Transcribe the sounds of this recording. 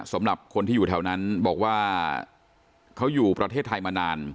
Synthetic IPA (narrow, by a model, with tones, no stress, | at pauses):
sa˩˦mɾa˨˩p̚kʰo˧nt̪iː˥˩juː˨˩t̪ʰa˧˥wna˦˥nbɔː˨˩k̚waː˥˩ | kʰa˦˥wjuː˨˩pɾa˧t̪ʰeː˥˩t̪ʰːa˧jmaː˧naː˧n